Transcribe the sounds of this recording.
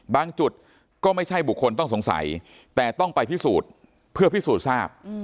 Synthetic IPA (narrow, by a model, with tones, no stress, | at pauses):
baː˧ŋt͡ɕu˨˩t̪̚ | kɔː˥˩ma˥˩jt͡ɕʰa˥˩jbu˨˩kʰːo˧nt̪̬ɔ˥˩ŋso˩˦ŋsa̰˩˦j | t̪ɛː˨˩t̪ɔ˥˩ŋpa˧jpʰi˦˥˩suː˨˩t̪̚ | pʰɯ˥˩ɐpʰi˥˩suː˨˩t̪̚saː˥˩p̚